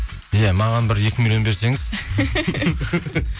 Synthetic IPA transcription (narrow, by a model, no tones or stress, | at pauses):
jæmɑʁɑnbɪɾjekʲɪmilʲjo̞nbe̞ɾse̞ŋɪz